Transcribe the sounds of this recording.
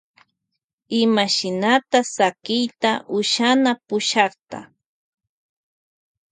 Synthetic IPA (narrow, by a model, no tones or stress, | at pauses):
ɪmaʃɪnat̪asakɪjt̪aʔʊʃanapʊʃɑχt̪a̰